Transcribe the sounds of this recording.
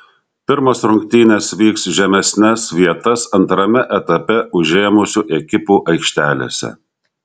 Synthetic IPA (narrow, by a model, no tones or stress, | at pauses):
pʲɪɾmɐsɾʊŋʲkt̪ʲiːnʲesʋʲiːksʒʲɛmʲɛsʲnʲɛsʋʲiɛt̪ɐsɐnt̪ɾɐmʲɛʔɛt̪ɐpʲɛʔʊʒʲeːmʊsʲuʔɛkʲɪpuːʔɐɪkʃʲt̪ʲæːlʲḛːsʲɛ̰